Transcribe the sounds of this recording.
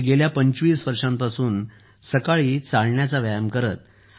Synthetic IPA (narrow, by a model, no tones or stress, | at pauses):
ɡeljapəɲt͡ɕʋiːsʋəɾʂãmpasuːn | səkaɭiːt͡saɭɳjat͡saʋjajəmkəɾət̪̚